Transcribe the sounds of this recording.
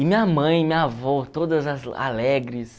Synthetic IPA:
ɪmĩɲɐmɐ̃j̃mĩɲɐvɔt̪od̪ɐzɐza̰lɛɡɾɪs

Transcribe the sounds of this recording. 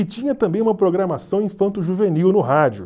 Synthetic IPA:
ɪt͡ʃĩɲɐt̪ɐ̃mbẽj̃umɐpɾoɡɾamasɐ̃w̃ẽj̃fɐ̃nt̪ʊʒuveniwnʊɦad͡ʒʊ

